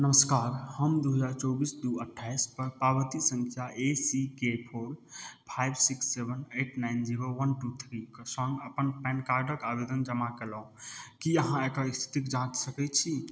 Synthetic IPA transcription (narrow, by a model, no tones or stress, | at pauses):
nəməskaɾhəmd̪uɦəd͡ʒaɾt͡ʃɔbisd̪uəʈʰːajspəɾpabət̪isə̃ŋkʰjaʔesikepʰoɾpʰajbsiksːebʱəneʈnajnd͡ʒiɾoʋənʈut̪ʰɾiksɔ̃ŋɡəpənpɛ̃nkaɾɖəkabed̪ənd͡ʒəmakeləũkiəɦãekaist̪ʰi̥t̪ikd͡ʒãt͡ʃsəkɛt͡ʃʰi